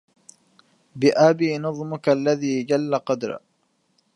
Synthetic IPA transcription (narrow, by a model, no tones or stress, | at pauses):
bɪʔabiːnɑðˤmʊkalːaðiːd͡ʒalːaqɑd̪ɾ̰